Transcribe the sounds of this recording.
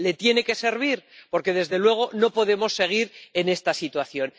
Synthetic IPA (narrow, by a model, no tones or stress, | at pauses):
le̞t̪je̞ne̞ke̞se̞ɾβ̞iɾpo̞ɾke̞ðe̞zðe̞lwe̞ɣ̞o̞no̞po̞ðe̞mo̞sːe̞ɣ̞iɾe̞ne̞st̪asit̪waθjo̞n